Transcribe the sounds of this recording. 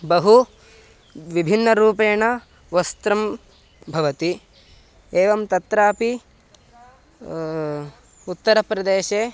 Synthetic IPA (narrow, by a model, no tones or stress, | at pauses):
bɐɦu | ʋibʱinːɐɾuːpeːɳɐ | ʋɐst̪ɾɐm | bʱɐʋɐt̪i | eːʋɐmt̪ɐt̪ɾaːpi | ut̪ːɐɾɐpɾɐd̪eːʃeː